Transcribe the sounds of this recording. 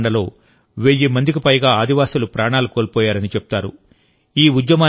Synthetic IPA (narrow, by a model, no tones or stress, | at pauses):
ɳɖɐlo̞ː | ʋeːjimɐnd̪ikipɐjɡaːaːd̪iʋaːsulupɾaːɳaːlukoːlpɔːjaːɾɐnit͡ʃepu̥t̪aːɾṵ | iːud̪jɐmaː